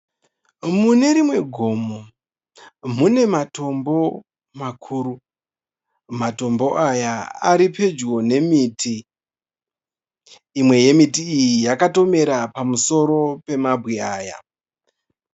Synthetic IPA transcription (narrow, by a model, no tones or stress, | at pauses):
mune̞ɾimwe̞ɡʱo̞ːmo | mune̞mato̞mbo̞ | makʰuːɾu | mato̞mbo̞ʔajaaɾipe̞d͡ʒwo̞ne̞mitʰi | mwe̞je̞mitiːjijakato̞me̞ɾapamuso̞ɾo̞pe̞mabʱwiaːja̰